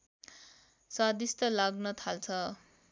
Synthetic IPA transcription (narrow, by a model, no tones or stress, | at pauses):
sad̪ist̪ʌlaɡnʌt̪ʰalt͡sʰʌ